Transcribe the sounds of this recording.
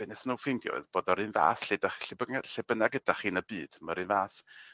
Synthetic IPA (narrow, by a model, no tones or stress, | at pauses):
bɛnɛsənuwfɪndjɔ̰ɨðboːdɔɾɨnva̰ːsɬedaχɬɪbəaɬɛbənaɡədaχiːnəbiːd̥maɾɨnvaːs